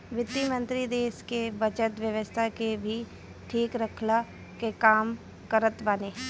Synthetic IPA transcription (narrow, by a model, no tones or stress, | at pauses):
ʋɪt̪ːimə̃nt̪ɾid̪eːʃkebɐt͡ʃət̪ʋjəʋəst̪ʰakebʱi | ʈʰiːkɾəkʰla | kekaːm | kəɾət̪baneː